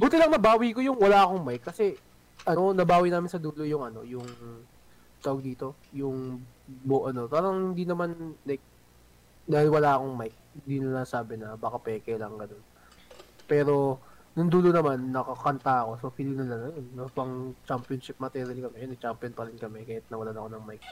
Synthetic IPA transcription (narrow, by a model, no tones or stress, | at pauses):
buːt̪ɪlɐŋnɐbaːwiko̞jʊŋwɐlaːɐkoŋmajkːɐsɛ | ʔɐonɐbaːwijnaːmɪnsɐd̪uːlojʊŋʔɐno̞̰jʊŋ | t̪aːwɐɡ̚d̪iːt̪o̞ | jʊŋboʔɐno̞paːɾɐŋhɪnd̪inɐmanlajk̚ | d̪aːhɪlwɐlaːʔɐkoŋmajk̚hɪnd̪inɐlasaːbɪnɐbaːkapɛːkɛlɐŋɡɐno̞n | pɛːɾo̞ | nʊŋd̪uːlonɐmanːɐkɐkɐnt̪aɐko̞sofilɪnɐlɐnɐjonːɐpɐŋt͡ʃampjonʃɪp̚mɐt̪ɛːɾjɐlkɐmɛjnɐɡ̚t͡ʃampjonpɐɾɪnkɐmɛkaːjat̪̚nɐwɐlanɐkonɐŋmajk̚